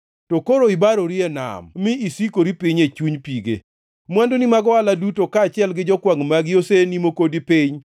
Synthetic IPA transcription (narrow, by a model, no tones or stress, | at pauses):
tokoɾoibaɾoɾiɛna̰mmɪisikoɾipiɲet͡ʃuɲpiɡḛ | mwandonimaɡɔaladutokaːt͡ʃɪɛlɡɪd͡ʒɔkwaŋmaɡjosenimokodipɪɲ